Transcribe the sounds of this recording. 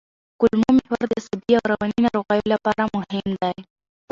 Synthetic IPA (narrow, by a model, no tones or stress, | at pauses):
kʊlmomehaɾd̪əsabiawɾawaninaɾoɣɑjolapɑɾamʊhɪmd̪aj